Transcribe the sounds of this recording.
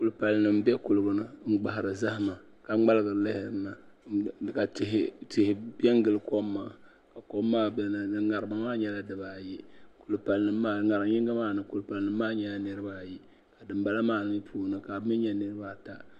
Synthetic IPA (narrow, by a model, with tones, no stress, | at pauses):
ku˨lpa˨lɨ˨nɨ˨m̩˦bɛ˦kʊ˨lɨ˨ɡɨ˨nɨ˦ŋ͡m̩˦ɡ͡ba˨ɦɾɨ˨za˦hma˨ | ka˨ŋ͡ma˦lɨ˦ɡɨ˨ɾɨ˨lɪ˦hɪ˨ɾɨ˦na˨ | ka˨thtɪ˨hɪ˨bi˦ɛ˦ŋ˦ɡɨ˨lɨ˨ko˦mːaː˨ | ka˨ko˦mːaː˦bŋa˨ɾɨ˨ma˨maː˦ɲɛ˦la˦dɨ˨baː˨ji˦ku˨lpa˨lɨ˨nɨ˨mː˦a˦ŋa˨ɾɨ˨mɲi˦ŋɡa˦maː˦˨nɨ˨ku˨lpa˨lɨ˨nɨ˨˦mː˦aː˦ɲɛ˨˦la˦nɨ˦ɾɨ˦baː˦˨ji˦ | ka˨dɨ˨mba˦la˦maː˦nɨ˨˦mi˦pʰuː˦˨˦nɨ˨ka˨˦mi˦ɲɛ˦nɨ˦ɾɨ˦baː˦ta˦